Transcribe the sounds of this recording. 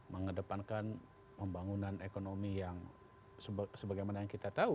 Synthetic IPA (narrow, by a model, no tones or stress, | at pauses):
məŋədəpankan | məmbaŋunanekonomijaŋ | səsəbaɡajmanajaŋkit̪at̪au